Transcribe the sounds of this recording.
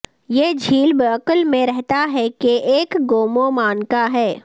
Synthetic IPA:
jeːd͡ʒʱiːlbəːkəlmẽɾɛɦt̪aɦɛkeʔeːkɡoːmomaːnkaɦɛː

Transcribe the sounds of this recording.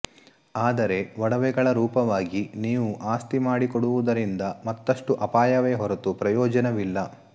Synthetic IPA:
aːd̪ɐɾe̞ʋɔɽɐʋɛɡɐɭɐɾuːpɐʋaːɡiniːʋuʔaːst̪imaːɽikɔɽuʋud̪ɐɾind̪ɐmɐt̪ːɐʂʈuʔɐpaːjɐʋe̞ːɦɔɾɐt̪upɾɐjɔːd͡ʒɐnɐʋilːɐ

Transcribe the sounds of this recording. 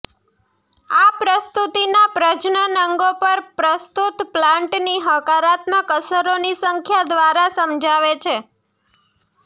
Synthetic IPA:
apɾəst̪ut̪inapɾəd͡ʒnənəŋɡopəɾpɾəst̪ut̪plãɳʈniɦəkaɾat̪məkəsəɾonisəŋkʰjad̪ʋaɾasəmd͡ʒaʋet͡ʃʰe

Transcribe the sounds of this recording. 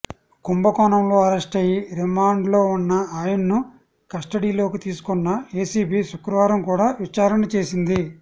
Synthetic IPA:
kumbɐkɔːnɐmlo̞ːɐɾɐsʈɐjiɾimaːɳɖlo̞ːunːɐaːjɐnːu | kɐsʈɐɽiːlo̞ːkit̪iːsu̥kɔnːɐe̞ːsiːbiːʃukɾɐʋaːɾɐmkuːɽaːʋit͡ʃaːɾɐnɐt͡ʃe̞ːsind̪i

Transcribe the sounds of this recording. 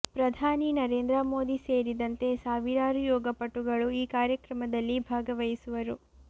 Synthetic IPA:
pɾɐd̪ʱaːninɐɾe̞ːnd̪ɾɐmo̞ːd̪ise̞ːɾid̪ɐnt̪e̞saːʋiɾaːɾujɔːɡɐpɐʈːuɡɐɭuiːkaːɾjɐkɾɐmɐd̪ɐlːibʱaːɡɐʋɐjisuʋɐɾu

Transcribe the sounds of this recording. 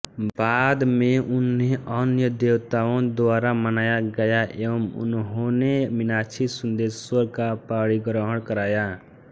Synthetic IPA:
baːd̪mẽʊnɦeənjəd̪eːwt̪aːõd̪ʊaːɾamənaːjaɡəjaʔḛːʋəmʊ̰nɦonemɪnaːt͡ʃʰisʊnd̪eːsəɾkapaːɽiɡɾəɦəɽkəɾaːja

